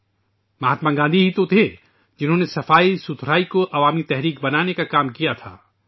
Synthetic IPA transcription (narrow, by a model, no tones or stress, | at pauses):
mɐɦaːt̪maɡãːnd̪iɦit̪ot̪ʰe | d͡ʒɪnɦõːnesɐfaːisʊt̪ʰɾaːikoʔɐʋaːmit̪ɛɦɾiːk̚bɐnaːnekakaːmkijat̪ʰa̰ː